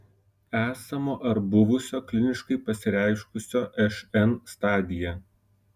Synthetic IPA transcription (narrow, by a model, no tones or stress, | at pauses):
æːsɐmoːʔɐɾbʊʋʊsʲoːklʲɪnʲɪʃkɐɪpɐsʲɪɾʲæˑɪʃkʊsʲoːʔɛʃɛnst̪ɑːd̪ʲɪjɛ